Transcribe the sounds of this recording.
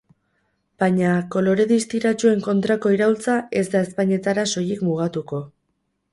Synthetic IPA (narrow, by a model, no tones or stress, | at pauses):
b̥aɲako̞lo̞ɾe̞ðist̪iɾat͡ʃue̞ŋko̞nt̪ɾako̞iɾault͡sae̞zd̪ae̞spaɲe̞t̪aɾaso̞jikmuɣ̞at̪uko̞